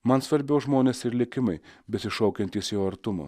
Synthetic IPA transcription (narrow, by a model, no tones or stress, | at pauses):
mɐnsʋɐɾʲbʲɛʊʒmoːnʲeːsɪɾlʲɪkʲɪmɐɪbʲɛsʲɪʃɔʊkʲɛnʲt̪ʲiːsjoːɐɾt̪ʊmo̰